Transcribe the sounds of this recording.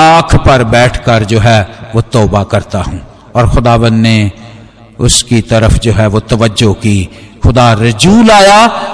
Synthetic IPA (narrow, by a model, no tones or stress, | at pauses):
aːkʰpɐɾbɛːʈʰkɐɾd͡ʒoːɦɛʋoːt̪ɔːbakɐɾt̪aɦũː | ɔːɾxʊd̪aːʋə̃nd̪ne | ʊskit̪ɐɾəfd͡ʒoːɦɛʋot̪ɐʋəd͡ʒokiːxʊd̪aːɾɪd͡ʒuːlaːjaː